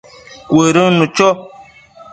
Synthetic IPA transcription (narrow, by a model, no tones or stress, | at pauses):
kweɾənũt͡ʃɔ